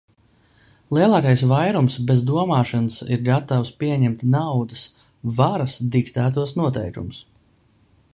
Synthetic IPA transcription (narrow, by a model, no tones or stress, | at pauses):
lˠiɛlˠɑːkajsvajɾumsbezd̪uɔmɑːʃansḭɾɡat̪awspiɛɲɛmt̪nawd̪əs | vaɾɐsd̪ikt̪æːt̪̬uɔsnuɔt̪ɛ̰jkumus